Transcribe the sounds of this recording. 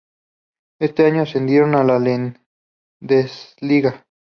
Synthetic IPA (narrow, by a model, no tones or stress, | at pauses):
e̞st̪e̞aɲosend̪jeɾonalalen | d̪esliɣa